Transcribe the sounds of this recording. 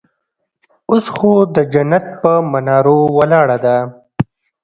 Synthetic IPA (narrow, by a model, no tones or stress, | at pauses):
ʊsxod̪əd͡ʒanat̪̚pəmanɑːɾowalɑːɽad̪a